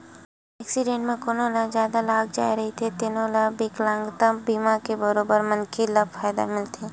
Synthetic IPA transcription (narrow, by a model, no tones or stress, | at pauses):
ɛːksiɖẽːʈmẽkonoːlad͡ʒjaːd̪alaːɡd͡ʒa̰ːjɾɐɦit̪ʰet̪enoːlabeːklãːŋɡt̪ãbiːmakebɐɾoːbəɾmɐ̃nkʰilɐbfʰaːd̪a̰mɪlt̪ʰiː